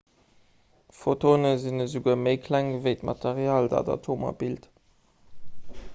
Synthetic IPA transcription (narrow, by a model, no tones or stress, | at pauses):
fotoːnəzinəzuɡuɐməɪkʰlæŋɡəvəɪtmɑtʰeʁjaːldɑ̰dɑ̰tʰoːmɑ̰bilt